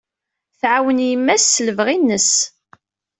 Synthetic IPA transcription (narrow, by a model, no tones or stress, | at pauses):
θʕawənjəmːæsːələvʁinːəs